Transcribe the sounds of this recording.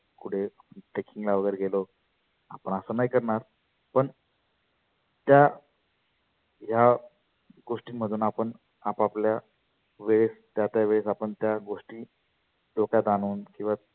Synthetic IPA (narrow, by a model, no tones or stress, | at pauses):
kuɽ̤eaəʈekiŋɡlaʋəɡəjɾeɡʱelo | a̰pəɳəsəːnajkəɾɳaɾ | pəɳ | t̪ja | ɦja | ɡoʂʈiːm̤əd̪uːnapəɳ | apaplja | ʋeɭest̪jat̪jaʋeɭesapəɳt̪jaɡoʂʈiː | lokjat̪anuːnkĩw̃ʋa